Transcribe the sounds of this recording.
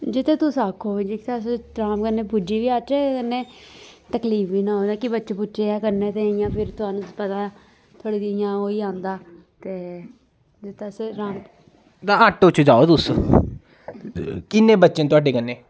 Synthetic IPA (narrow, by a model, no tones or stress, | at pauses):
d͡ʒɪt̪ʰːeːt̪ʊsaːkʰːoːʋeːd͡ʒikɪt̪ʰesɾaːmkənːeːpʊd͡ʒiːʋiːaːt͡ʃeːkənːeːt̪əkliːfʋiːnãːɦõːd̪aːkɪbətːʃẽːpʊtːʃeːaːkəɾnẽːt̪eaĩjãːpʰɪɾt̪ʊaːnũːspət̪aː | t̪ʰəɽːd̪ijãːoːiːãːnd̪aː | t̪eː | d͡ʒɪt̪ʰːeseɾaːm | t̪ãːəʈpʊt͡ʃʰːd͡ʒaːoːt̪ʊs | kɪnːẽːbətːʃẽːt̪ʊaːɖeːkənːeː